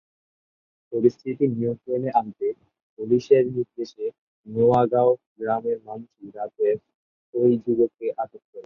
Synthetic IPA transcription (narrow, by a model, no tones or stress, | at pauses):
poɾist̪ʰit̪iniomkɾeneʔant̪e | puliʃeɾnit̪d̪eʃe | neaɡaoɡɾameɾmanuʃɡɾat̪eɾ | ojd͡ʑuɡokːeʔaʈot̪̚koɾe